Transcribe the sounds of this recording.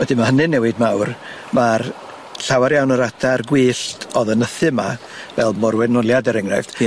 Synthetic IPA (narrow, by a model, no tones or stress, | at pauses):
wədɪmahənɨnɛwɨdmawr | mar | ɬawaɾjawnəɾatʰarɡwiːɬtʰɔðənəθɨma | vɛlˠmɔɾwɛnɔlˠjadɛɾɛŋra̰fd̥